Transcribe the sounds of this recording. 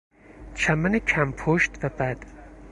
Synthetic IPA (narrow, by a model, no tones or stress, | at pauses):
t͡ʃʰæmænecʰæmpʰoʃt̪væbæd̪̥